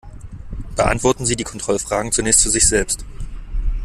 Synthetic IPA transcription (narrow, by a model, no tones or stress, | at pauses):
b̥əʔa̰ntv̥ɔɐtn̩ziːdiːkʰɔntʁ̥ɔlfʁ̥aːɡŋ̩t͡sunɛːçst̚t͡suzɪçz̥ɛlpst